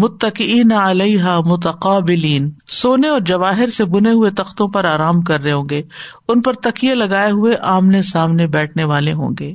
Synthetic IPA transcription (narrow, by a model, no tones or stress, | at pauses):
mʊt̪ːɐqɪiːnaɐlɐɪɦaːmʊt̪ɐqaːbɪliːnsoːneɔːɾd͡ʒɐʋaːɦɪɾsebʊneɦʊet̪ɐxt̪õpɐɾaːɾaːmkɐɾːeɦõːɡeː | ʊnpɐɾt̪ɐqijelɐɡaːeɦʊeʔaːmnesaːmnebɛːʈʰneʋaːleɦõ̰ːŋɡeː